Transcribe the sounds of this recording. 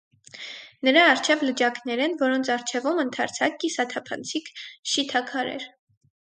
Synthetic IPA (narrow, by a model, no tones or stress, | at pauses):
nəɾɑːrt͡ʃʰɛvləd͡ʒɑkʰnɛɾɛnvɔɾɔnt͡sʰɑɾt͡ʃʰɛvumənt̪ʰɑɾt͡sʰɑk̚isɑt̪ʰɑpʰɑ̰nt͡sʰikʰʃit̪ʰɑkʰɑɾɛ̰ɾ